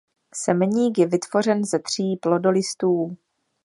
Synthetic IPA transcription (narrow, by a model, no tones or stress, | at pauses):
sɛmɛɲiːkjɛvɪt̪vo̞r̝ɛnzɛt̪r̝̥iːplo̞do̞lɪst̪uː